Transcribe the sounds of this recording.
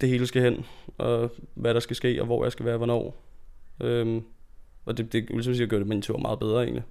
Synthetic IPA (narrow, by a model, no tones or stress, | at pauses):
d̥e̝he̝ːləsɡ̥æhen̰ɒ̽ʋæɾ̥ɑ̈sɡ̥æsɡ̥e̝̰ːɒ̽ʋɒ̰jɑ̈ɪsɡ̥æʋæːɐʋɒnɒ̰ː | ʔøm | ɒ̽d̥e̝d̥e̝lismsiːdɡ̥øɐ̰ɾemænt͡sʰuɐ̰mɑ̈ːð̩ˠbeð̞ˠʁɐːe̝̰ːnli